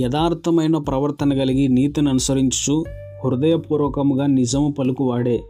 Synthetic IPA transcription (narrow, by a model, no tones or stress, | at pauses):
jɐd̪aːɾt̪ʰɐmɐjnɐpɾɐʋɐɾt̪ɐnɐɡɐɭiɡiniːt̪inɐnusɐɾiɲt͡ʃi̥su | huɾud̪ɐjɐpuːɾʋɐːkɐmuɡɐnid͡ʒɐmɐpɐlukuʋaːɽe